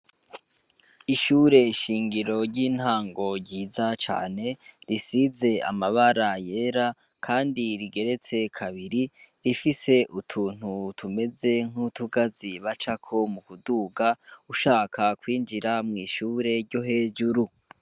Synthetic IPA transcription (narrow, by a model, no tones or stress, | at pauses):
iʃuːɾe̞iʃiːŋɡiɾo̞ɾɟiːn̥haːŋɡo̞ɟiːzat͡ʃa̰ːne̞ɾisize̞a̰maβaɾajeɾa | kʰaːndiɾiɡe̞ɾe̞t͡se̞kʰaβiɾiɾifise̞ʔutʰuːn̥hutʰume̞ze̞ŋ̥hutuɡaziβat͡ʃakʰo̞mukuduːɡauʃaːkʰakwiːnd͡ʒiɾamŋiːʃuːɾe̞ɾɟo̞ɦe̞ːd͡ʒuɾu